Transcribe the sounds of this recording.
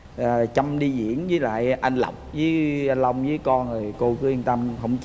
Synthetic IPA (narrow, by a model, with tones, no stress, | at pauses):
t͡ɕə˧mɗi˧zḭ˧˥ənzəː˨˦jla̰ː˧˨jʔa˧n̟la̰˨˩wk͡p̚zəː˨˦ja˧nlə˧wŋ͡mzɨː˨˦jkɔ˧nzo˨˩jko˧kɨ˨˦i˧ənt̪ə˧mɦə̰˧˩wŋ͡mt͡ɕ